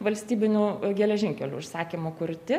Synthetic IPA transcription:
ʋɐlʲsʲt̪ʲiːbʲɪnʲuːɡʲɛlʲɛʒʲɪŋʲkʲɛlʲṵɪʃsɑːkʲimokʊɾʲt̪ʲɪ

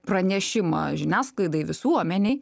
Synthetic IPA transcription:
pɾɐnʲɛʃʲɪmɐ̰ʒʲɪnʲæːsklˠɐɪd̪ɐɪʋʲɪsuɔmʲɛnʲɛɪ

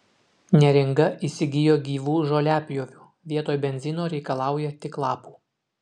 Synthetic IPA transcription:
nʲɛɾʲɪŋɡɐʔiːsʲɪɡʲɪjoːɡʲiːʋuːʒolʲæːpʲjoːʋʲuː | ʋʲiɛt̪oːjbʲɛnʲzʲɪnoːɾʲɛɪkɐlˠɑˑʊjɛt̪ʲɪklˠɑːpu̥ː

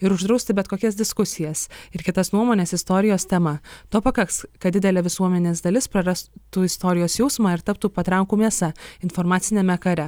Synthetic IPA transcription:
ɪɾʊʒd̪ɾɐʊsʲt̪ʲɪbʲɛt̪koːkʲɛsd̪ʲɪskʊsʲɪjɛsɪɾkʲɪt̪ɐsnuɔmoːnʲeːsɪst̪oːɾʲɪjoːst̪ʲɛmɐt̪oːpɐkɐkskɐt̪d̪ʲɪd̪ʲɛlʲɛːʋʲɪsuɔmʲɛnʲeːsd̪ɐlʲɪspɾɐɾɐst̪uːɪst̪oːɾʲɪjoːsjɛʊsmɑːɪɾt̪ɐp̚t̪uːpɐt̪ɾɐʊkuːmʲeɛsɑɪnfɔɾmɑːt̪sʲɪnʲɛmʲɛkɐɾʲɛ

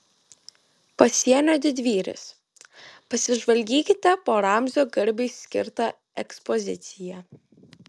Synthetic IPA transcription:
pɐsʲiɛnʲoːd̪ʲɪd̪ʲʋʲiːɾʲɪ̰s | pɐsʲɪʒʋɐlʲɡʲiːkʲɪt̪ʲɛpoːɾɑˑmʲzʲoːɡɐɾʲbʲɛɪsʲkʲɪ̰ɾt̪ɐ | ɛkspɔzʲɪ̰t̪sʲɪjɛ

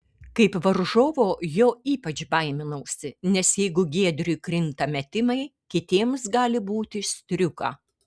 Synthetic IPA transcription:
kɐɪpʋɐɾʒoːʋoːjoːiːpɐt͡ʃbɐɪmʲɪnɐːsʲɪnʲɛsjɛɪɡʊɡʲeːɛd̪ʲɾʲʊjkɾʲɪnt̪ɐmʲɛt̪ʲɪmɐɪkʲɪt̪ʲiɛmsɡɑːlʲɪbuːt̪ʲɪsʲt̪ʲɾʲʊkɑ̰ː

